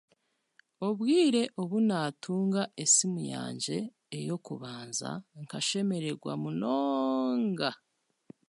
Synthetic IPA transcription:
oβwiːɾe̞ʔoβunaːtʰuːŋɡaʔesimuja̰ːɲd͡ʒe̞ː | jo̞kuβaːnza̰ŋkaʃe̞me̞ɾe̞ɾɡwa̰munoːŋɡa

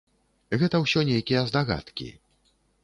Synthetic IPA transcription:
ɣɛt̪ɐwsʲɔnʲejkʲijɐzd̪aɣa̰t̪kʲḭ

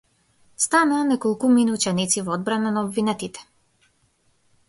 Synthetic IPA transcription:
st̪anaːnɛkɔlˠkuminuut͡ʃɛnit̪sivɔɔd̪̚bɾananaɔbvinɛt̪it̪ɛ̥

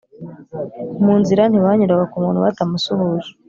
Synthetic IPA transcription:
muːnziɾanhiβaɲuɾaβakumuːnhuβatamusuhuzu

